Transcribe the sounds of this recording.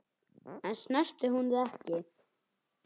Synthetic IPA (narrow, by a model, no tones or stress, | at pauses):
ɛnsnɛr̥t̪ɪɦunðɪɛhcɪ